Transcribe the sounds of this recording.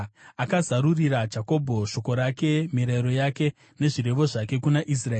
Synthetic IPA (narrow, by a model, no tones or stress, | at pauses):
akazaɾuriɾad͡ʒako̞bʱo̞ʃo̞ko̞ɾake̞miɾeɾo̞jake̞ | ne̞ʐiɾe̞ʋo̞ʐake̞kunaʔis̬rae